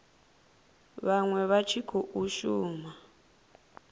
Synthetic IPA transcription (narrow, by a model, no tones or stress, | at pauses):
βaŋwɛβat͡ʃʰikʰuʔuʃuːma